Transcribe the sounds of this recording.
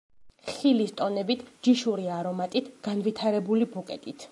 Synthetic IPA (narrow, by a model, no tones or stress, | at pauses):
χilist̪ʼɔnɛbit̪ʰd͡ʒiʃuɾiaɾɔmat̪ʼit̪ʰɡ̥anvit̪ʰaɾɛbulibukʼɛt̪ʼit̪ʰ